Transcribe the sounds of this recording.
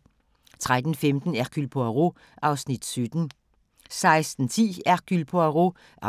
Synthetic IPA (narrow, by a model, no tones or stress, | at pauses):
t͡sʰʁad̥n̩femd̥n̩æɐkʰylpʰoæʁo | ʔɑ̈ʊsnid̥syd̥n̩ | sɑ̈ɪsd̥n̩t͡sʰḭːækʰylpʰoaʁo | ʔ